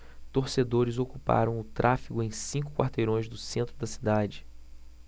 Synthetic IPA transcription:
t̪oɾsed̪oɾɪzokupa̰ɾɐ̃w̃ʊt̪ɾʔafiɡʊẽj̃sĩŋkʊ̥kwa̰ɾt̪ejɾõj̃zd̪ʊsẽnt̪ɾʊd̪ɐsi̥d̪ad͡ʒɪ

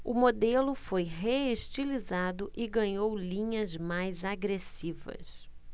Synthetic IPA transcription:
ʊmod̪elʊfojɦeeʃt͡ʃilizad̪ʊʔɪɡɐ̃ɲowlĩɲɐzmajzaɡɾesivɐ̰s

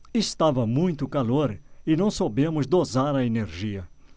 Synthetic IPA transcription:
ɪst̪avɐmũj̃t̪ʊkaloɾɪnɐ̃w̃sobẽmʊzd̪ozaɾɐeneɾʒiɐ

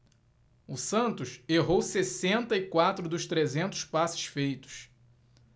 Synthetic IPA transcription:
ʊsɐ̃nt̪ʊʃeɦowsesẽnt̪ɐikwat̪ɾʊd̪ʊʃt̪ɾezẽnt̪ʊ̥ʃpasɪ̥sfejt̪ʊ̥s

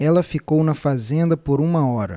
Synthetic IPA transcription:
ɛlɐfikownɐfazẽnd̪ɐpoɾũmɐɔɾɐ̰

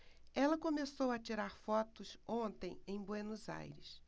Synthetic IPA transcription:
ɛlɐkõmesowɐt͡ʃiɾaɾfɔt̪ʊsõnt̪ẽj̃ẽj̃bwenuza̰jɾɪs

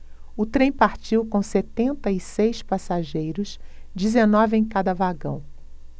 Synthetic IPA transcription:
ʊt̪ɾẽj̃paɾt͡ʃiwkõset̪ẽnt̪ɐisejspasaʒejɾʊʃd͡ʒizenɔvɪẽj̃kad̪ɐvaɡɐ̰̃w̃

